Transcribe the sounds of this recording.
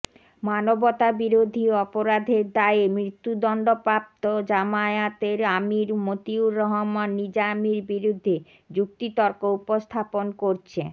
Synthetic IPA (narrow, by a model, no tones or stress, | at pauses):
manobot̪abiɾod̪ʱiɔpoɾad̪ʱeɾd̪aeemɾit̪ːud̪ɔɳɖopɾap̚t̪od͡ʑamaeat̪eɾamiɾmot̪iuɾɔɦomanːid͡ʑamiɾbiɾud̪ʱːe | d͡ʑuk̚t̪it̪ɔɾkoupost̪ʰaponkoɾt͡ɕʰe